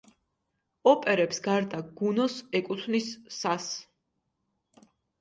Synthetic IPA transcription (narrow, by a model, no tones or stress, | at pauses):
ɔpʼɛɾɛpsɡaɾd̪aɡ̥unɔsɛkʼut̪ʰvnisːas